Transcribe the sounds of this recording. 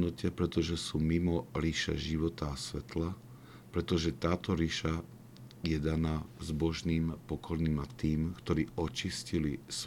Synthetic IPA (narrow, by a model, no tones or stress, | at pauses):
nɔcɛpɾɛt̪ɔʒɛsuːmimɔɾiʃɛ̰ʒiʋɔt̪aːsʋɛ̰t̪la | pɾɛt̪ɔʒɛt̪aːt̪ɔɾiʃa | jɛd̪anazbɔʒniːmpɔkɔɾniːmat̪iːmkt̪ɔɾiːɔt͡ʃiscilis